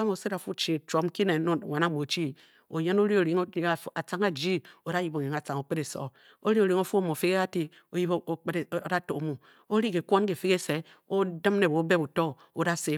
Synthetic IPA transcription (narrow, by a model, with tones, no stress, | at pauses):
a˦mo˨se˦ɾa˨fu˦t͡ʃe˨to˨˦mki˦ne˨˦no˦˨wa˨na˨˦mo˨t͡ʃi˦ | o˨je˦no˦ɾi˦o˨ɾi˨˦ŋ˦˨a˨t͡sa˨˦ŋa˨d͡ʒi˦o˨˦a˦ji˦bo˨ɲi˨ŋa˨t͡sa˨ŋo˨k͡pe˦ɾe˨so̰˨ | o˦ɾi˦o˨ɾi˨˦ŋo˦fu˦o˦˨mo˨fi˦ke˦a˦ti˦ | o˨˦ji˦bda˦to˨˦mo˨ | o˦ɾi˦ke˨kʷo˦n˦ke˨fi˦ke˦se˨ | o˦dɨ˦mne˨bo˨˦be˦bu˨to˦ | o˦da˦se˦˨